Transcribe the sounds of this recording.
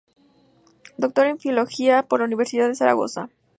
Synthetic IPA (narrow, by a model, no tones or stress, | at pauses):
d̪o̞k̚t̪o̞ɾeɱfiolo̞xiapoɾlauniβ̞e̞ɾsiðaðe̞saɾa̰ɣo̞̰sa